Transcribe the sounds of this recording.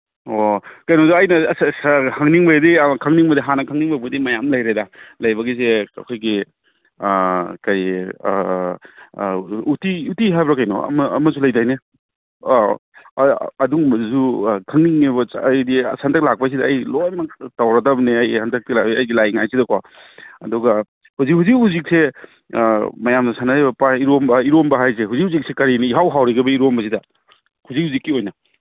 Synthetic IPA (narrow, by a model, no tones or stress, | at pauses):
okɐjnozuɐjnɐsshɐŋniŋbɐdikʰɐŋniŋmɐdiɦanɐkʰɐŋniŋbɐbudimɐjamlɐjɾedalɐjbɐɡizeɐ̰kʰojɡi | kɐj | utiutiɦajbɾakɐjno̰ɐ̰mɐɐ̰mɐsulɐjdajne | ɐduŋzukʰɐŋniŋːibɐjdisantʰɐk̚lak̚pɐs̬idɐɐjlɔjmɐktawɾadɐbniajsantʰɐk̚tilaiɐjdilajŋajsidɐkʰwa | ɐdɔɡɐ | huzik̚huzikhuzik̚se | mɐjamdɐsanaɾibɐpaiɾombɐiɾombɐɦajs̬eɦuzik̚huzik̚sekɐɾiniiɦawɦawɾeɡɐbɐiɾombɐs̬idɐ | huzik̚huzikːiojnɐ